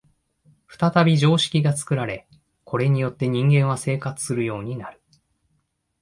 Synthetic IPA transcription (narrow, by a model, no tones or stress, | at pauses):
ɸɯ̟̥t̪at̪abʲiʑo̞ːɕi̥kʲiɡat͡sɨ̥kɯ̟ɾaɾe̞ | kʰo̞ɾe̞ɲ̟ijo̞t̪ːe̞ɲ̟ĩŋɡẽ̞ɰ̃β̞ase̞ːkat͡sɨ̥sɨɾɯ̟jo̞ːɲ̟inaɾɯ̟